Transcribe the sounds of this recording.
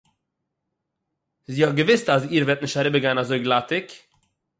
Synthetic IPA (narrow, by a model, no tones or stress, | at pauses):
ziːhɔt̚ɡəvɪstaziːɾvɛɾtnɪʃtaɾɪbəɡaɪnazoɪɡlˠatɪk